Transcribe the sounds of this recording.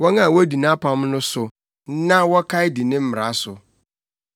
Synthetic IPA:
wɔ˦nã˦˨wɔ˦di˨nã˦pʰã˦m˦nʊ̃˦sʊ˨ | n̩˦nã˦wɔ˦kʰa˦ɪ˦di˨nɪ̃˦m̩˦m˨ɾa˨˦sʊ˨

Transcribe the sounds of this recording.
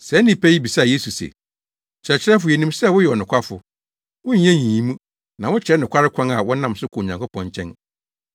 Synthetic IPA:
sɛ˨˦nɪ̃˦pʰɛ˦ji˦bi˨sa˦˨je˦su˨sɛ̰˨ | t͡ɕʰɛ˨t͡ɕʰɪ˦ɾɛ˦f̬ʊ˨jɛ˨nĩ˦msɛ˦˨wʊ˦jɛ˨ɔ˨nʊ̃˨kʰʷa˦fʊ̰˨ | wʊ̃˦ɲ˦ɛ̃˦ɲĩ˨ĩ˦mũ˦ | nã˨wʊ̃˦t͡ɕʰɪ˨ɛ˦nʊ̃˨kʰʷa˦ɾɪ˦kʷʰã˦ŋa˨wɔ̃˦nã˦msʊ˦kʰɔ˨ɲã˨ŋkʰʊ˦pʰɔ̃˨ɲt͡ɕʰɛ̃˦n

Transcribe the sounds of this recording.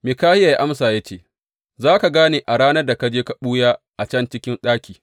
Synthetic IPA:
mɪ˨kaː˦hɪ˦ja˨ja˦ʔa˦msaː˨ja˦t͡ʃeː˦˨ | zaː˦ka˨ɡaː˦neː˨ʔa˨ɽaː˦nɐ˦rda˨ka˦d͡ʒeː˦ka˨ɓuː˦jaː˦ | ʔa˨t͡ʃɐ˦nt͡ʃɪ˦kʲɪ˦nɗaː˦kʲiː˨

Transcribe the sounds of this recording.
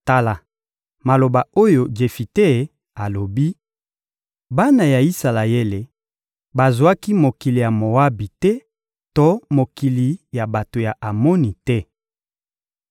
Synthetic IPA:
ta˦la˨ | ma˨lo˨ba˨o˦jo˨d͡ʒe˨fi˨te˦˨ | a˨lo˨bi˦ | ba˦na˨ja˨i˦sa˨la˨e˦le˨ | ba˨zwa˦ki˦mo˨ki˨li˨ja˨mo˨wa˦bi˨tɛ˦ | to˦mo˨ki˨li˨ja˨ba˨to˨ja˨ʔa˨mɔ˦ni˨tɛ˦

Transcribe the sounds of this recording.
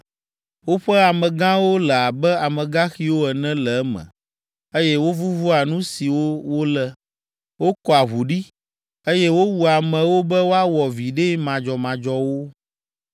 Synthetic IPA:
wo˦ɸɛ˦a˨mɛ̃˨ɡã˦wo˦lɛ˨a˨bɛ˦a˨mɛ̃˨ɡã˦xi˦wo˦ɛ˨nɛ̃˦lɛ˨˦mɛ̰̃˨ | e˦jɛ˦wo˦vu˦vu˦a˨nũ˦si˨wo˦wo˦lɛ˦ | wo˦kɔ˨a˨ɦu˨ɖi˦ | e˦jɛ˦wo˦wu˨a˨mɛ̃˨wo˦bɛ˦wo˦a˦wɔ˨vi˨ɖe˦mã˨d͡ʒɔ˨mã˨d͡ʒɔ˦wo˦

